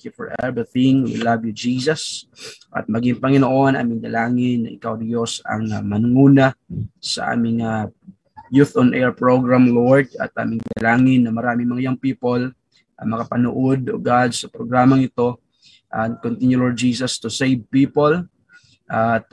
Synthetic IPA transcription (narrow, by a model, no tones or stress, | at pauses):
kjufɔɹʔɛvɹiθɪ̃ŋwḭlɐvjud͡ʒiːsɐsʔɐ̰t̪̚mɐɡɪŋpɐŋɪnoʔo̞nʔa̰ːmɪŋd̪ɐlaːŋɪnːɐ̰ʔɪkawd̪josɐ̰ŋmɐnʊŋuːnɐsɐ̰ʔa̰ːmɪŋa | juθonʔɛɹpɹoɡɹamloɹd̪̚ɐ̰t̪̚ʔa̰ːmɪŋd̪ɐlaːŋɪnːɐmɐɾaːmɪŋmɐŋɪjaŋpiːpol | ʔɐmɐkɐpɐnʊʔod̪o̰ɡad̪sɐpɾoɡɾaːmɐŋɪt̪o̞ | ʔɐnkont̪injuloɹ̚d͡ʒiːsɐst̪ʊsejvpipol | ʔɐt̪̚